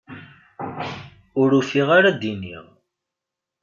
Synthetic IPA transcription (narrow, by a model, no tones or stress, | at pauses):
ʊɾufiʁaɾad̪inḭʁ